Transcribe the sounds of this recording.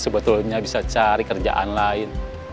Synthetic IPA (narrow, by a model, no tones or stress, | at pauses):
səbət̪ʊlɲabisat͡ʃaɾikərd͡ʒa̰ʔa̰nlaɪn